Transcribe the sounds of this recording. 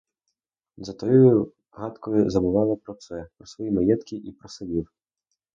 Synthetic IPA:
zɐt̪ɔjɔju | ɣat̪kʰɔjuzɐbɨvalˠɐpɾɔt̪sɛpɾɐsvɔjimajɛt̪kʲiʔipɾɐsɐlʲiw

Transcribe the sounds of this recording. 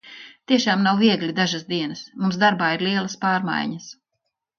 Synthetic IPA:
t̪iɛʃaːmnawviɛɡlʲid̪aʒasd̪iɛnɐsmumsd̪aɾbaːiɾliɛlˠaspaːɾma̰jɲɐs

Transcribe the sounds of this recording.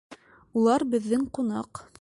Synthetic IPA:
ulˠɑɾbɘ̆ðːɘŋqunɑq

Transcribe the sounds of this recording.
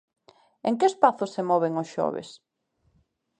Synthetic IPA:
eŋkɪespaθʊsemɔβeŋʊsʃɔ̰βḛs

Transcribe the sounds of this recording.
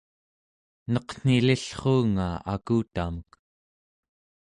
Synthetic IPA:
nʌqn̥iliɬχoːŋa̰a̰kuːt̪amək

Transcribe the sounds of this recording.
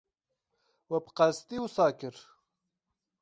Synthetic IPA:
wɐbqast̪iwsaːkɪɾ

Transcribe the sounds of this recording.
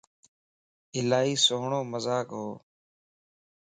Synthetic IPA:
ɪlaːɦiːsoɦɳoːməzaːkɦoː

